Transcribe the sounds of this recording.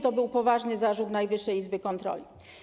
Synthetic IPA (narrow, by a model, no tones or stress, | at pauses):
t̪ɔbɘwpɔvaʐnɘzaʐut̪najvɘʂːɛjizbɘkɔnt̪ɾɔ̰lʲi